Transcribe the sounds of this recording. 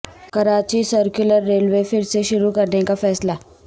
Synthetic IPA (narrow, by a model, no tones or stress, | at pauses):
kəɾat͡ɕiːsəɾkjuləɾːelʋefiɽseɕuɾukəɾɳekafɛːsla